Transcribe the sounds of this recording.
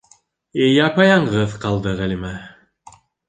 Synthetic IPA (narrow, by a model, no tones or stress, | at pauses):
ejɑkɑjɑɴʁɤðqɑlˠd̪ɤʁælimæ